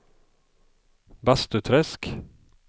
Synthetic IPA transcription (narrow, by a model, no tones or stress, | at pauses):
bɑst̪ʉt̪ʰɾɛsk